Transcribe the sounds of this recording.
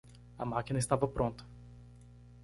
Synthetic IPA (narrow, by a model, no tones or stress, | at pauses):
ɐ̰makinɐist̪avɐpɾʔõnt̪ɐ̥